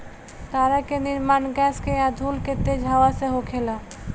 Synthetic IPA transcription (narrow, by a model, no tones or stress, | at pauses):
t̪aɾakeniɾmanɡɛskead̪ʱulket̪ed͡ʑʱawaseɦokʰela